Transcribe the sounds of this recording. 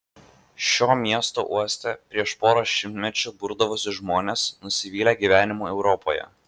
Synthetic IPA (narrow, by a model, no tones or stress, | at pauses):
ʃʲoːmʲiɛst̪o̰ʔuɔsʲt̪ʲepʲɾʲiɛʃpoːɾoːʃʲɪmʲt̪ʲmʲɛt͡ʃʲʊbʊɾd̪ɐʋʊsʲɪʒmoːnʲesnʊsʲɪʋʲiːlʲeɡʲiːʋʲæːnʲɪmuːɛʊɾɔpʰo̰ːjɛ̰